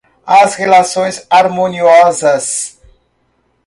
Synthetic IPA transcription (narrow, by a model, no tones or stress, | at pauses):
asʁelasonsaɾmoniozas